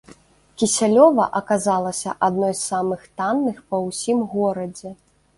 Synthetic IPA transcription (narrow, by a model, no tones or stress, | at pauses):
kʲisʲalʲɔvɐ̰ʔɐkazalˠɐsʲɐ̰ʔad̪nɔjssamɨxt̪anːɨxpɐwsʲimɣɔɾɐd͡zʲɛ